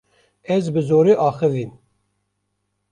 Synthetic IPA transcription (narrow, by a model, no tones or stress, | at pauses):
ɛzbɨzoːɾiːʔɑːxɨvim